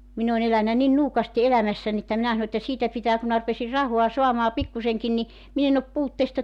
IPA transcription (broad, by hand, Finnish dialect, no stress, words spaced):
min on elænæ nin nuːkɑsti elæmæsːænʲ etːæ minæ sɑno etːæ siːtæ pitæː ku mĭnæ rupesir rɑhoɑ soɑmɑː pikːuseŋkin ni min en op puːtːeːstɑ